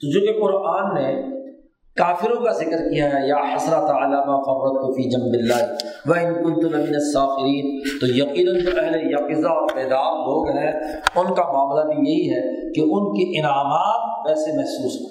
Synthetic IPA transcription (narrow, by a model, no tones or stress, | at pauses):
t̪od͡ʒoːkeqʊɾʔaːnːe | kaːfɪɾõkazɪkəɾkijaɦɛjaːħɐsɾat̪alaːmaːfɐɾɾɐt̚t̪ufiːd͡ʒɐmbɪlːaːɦʋɐɪnkʊ̃nt̪ʊlɪmɪnɐsːaːfɪɾiːnt̪ojɐqiːnənd͡ʒoʔɛɦlejɐqɪzaɔːɾpɛːd̪aːmɦoːɡɐaɦɛ | ʊnkamaːmlabijɐɦiɦɛ | keʔʊnkeʔɪnaːmaːɾ̚ʋɛːsemɛɦsuːsɦ